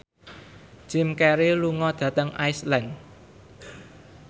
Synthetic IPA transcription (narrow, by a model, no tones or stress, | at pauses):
d͡ʒʒ̥ɪ̤mkɛɾiluŋɔd̪̥ä̤t̪əŋʔa̰islɛn